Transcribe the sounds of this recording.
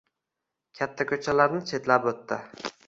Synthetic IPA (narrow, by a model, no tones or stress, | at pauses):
kʲʰat̪ʰːakʲʰɵt͡ʃʰalaɾnɪt͡ʃʰe̞t̪lapɵt̪ːɪ